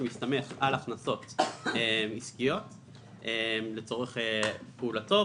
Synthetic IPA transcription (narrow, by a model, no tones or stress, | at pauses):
mist̪ame̞χalaχnaso̞temiskijo̞t | ʔemlet͡so̞ʁeχepeulato̞